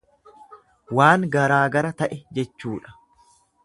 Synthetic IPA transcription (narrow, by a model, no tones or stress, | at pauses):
waːŋɡɐɾaːɡɐɾɐt̪ɐʔɛd͡ʒɛt͡ʃːuːᶑɐ̥